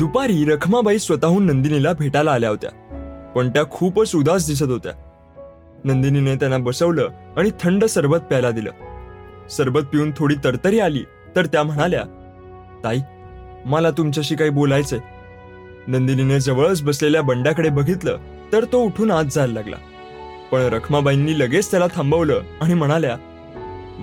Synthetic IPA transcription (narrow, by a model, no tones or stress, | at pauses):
d̪̥upaɾiːɾəkʰmabʱaiːsʋət̪aɦuːnːənd̪inilabʱeʈalaːljaɦot̪ja̰pəɳt̪jakʰuːpəsud̪as̬d̪is̬ət̪ɦot̪ja̰ | nənd̪ininet̪janːabəsəʋləːaɽ̃it̪ʰəɳɖəsəɾʋət̪̚pajlad̪ilə̰ː | səɾbət̪̚piuːnt̪ʰoɽiːt̪əɾt̪əɾiːalḭː | t̪əɾt̪jam̤əɽ̃alja̰ | t̪ai | malat̪umt͡ɕjaɕiːkaɦiːbolajt͡se | nənd̪inined͡zəʋəɭət͡sbəsleljabəɳɖjakəɽebəɡʱit̪lə̰ː | t̪əɾt̪ouʈʰuːnat̪̚d͡zʱallaɡla̰ | pəɳɾəkʰmabainːiːləɡet͡st̪jalat̪ʰãmbəʋləːaɽ̃im̤əɽ̃alja